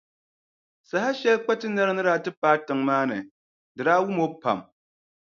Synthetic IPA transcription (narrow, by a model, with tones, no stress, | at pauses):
sa˨ha˦ʃɛ˦lk͡pa˦tɨ˦na˦ɾɨ˦nɨ˦ɾa˦˨tɨ˦paː˦tɨ˨ŋmaː˦nɨ̰˨ | dɨ˨ɾaː˦wu˦mo˦pa̰˨m